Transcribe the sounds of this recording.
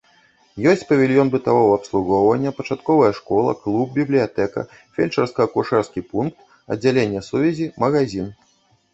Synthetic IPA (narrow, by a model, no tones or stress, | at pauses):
jɔsʲt͡sʲpɐvʲilʲjɔnbɨt̪avɔvɐːpslˠuɣɔwvɐnʲːɐpɐt͡ʂat̪kɔvɐjɐʂkɔlˠɐ̰klˠub̚bʲiblʲijat̪ɛkɐ̰ | fʲelʲt͡ʂɐrskɐɐkuʂɛrskʲipunk̚t̪ | ɐ̰d͡zʲːalʲenʲːɐsuvʲɛzʲimɐɣazʲin